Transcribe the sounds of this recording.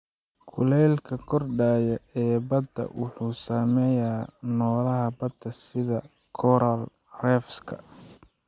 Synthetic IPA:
kʰʊlɛːlkʰɐkʰɔrɖaːjɐɛːbɐd̪ɐ̰wʔʊħuːsaːmɛjaːnɔːlɐɦɐbɐd̪ɐsɪðɐ | kʰɔɾɐl | rɛːfskʰɐ̥̰

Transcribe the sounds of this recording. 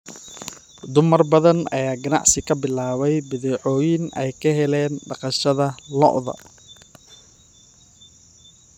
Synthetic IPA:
d̪ʊmɐrbɐðɐnɐ̰jaːɡɐnɑ̰ʕsɪkʰɐbɪlaːβɛjbɪðɛːʕɔːjɪnɛ̰jkʰɐɦɛlɛːnɖɑqɑʃɐðɐlɔ̰ʔðɐ̰

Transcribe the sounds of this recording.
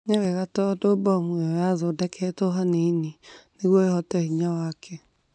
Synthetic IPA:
ɲɛweɣatɔdobɔmuejazodɛkʰɛtoɦaneininiɣoehɔtɛhiɲawakʰe

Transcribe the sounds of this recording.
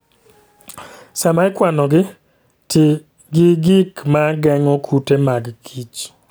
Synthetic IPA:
samaɪkwanɔɡɪ | tɪ | ɡɪɡikmaɡɛŋɔkʰutemaɡkʰit͡ʃ

